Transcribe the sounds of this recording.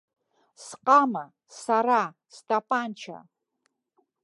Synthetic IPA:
sqʼama | saɾa | stʼapʼant͡ʃʰa̰

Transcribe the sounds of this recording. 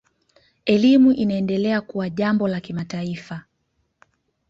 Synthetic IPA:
ɛlimuʔinaɛndɛlɛakuwaʄambɔlakimataifa

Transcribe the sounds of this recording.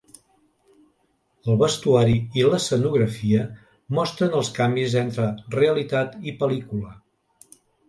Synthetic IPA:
əlˠβəst̪uaɾiiləsənuɣɾəfiə | mɔst̪ɾənəlˠskambizɛnt̪ɾəreəlit̪at̪ipəlikulə

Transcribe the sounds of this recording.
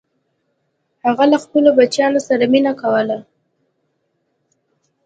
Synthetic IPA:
haɣalaxpəlobat͡ʃjɑnosaɾaminakawəla

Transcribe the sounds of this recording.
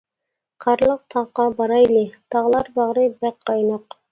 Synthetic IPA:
qʰɑɾlˠəq̚t̪ʰɑʁqɑbɑɾɑjlˠɪt̪ʰɑʁlˠɑɾbɑʁɾɨbæk̚qɑjnɑq

